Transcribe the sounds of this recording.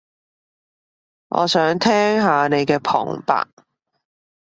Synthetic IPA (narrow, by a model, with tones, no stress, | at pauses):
ŋʔɔ̰ː˨˧sœː˨˥ŋt̪ʰɛː˥ŋɦaː˨˧ne˨˧jkɛː˧pʰɔ̰ː˨˩ŋpa̰ː˨k̚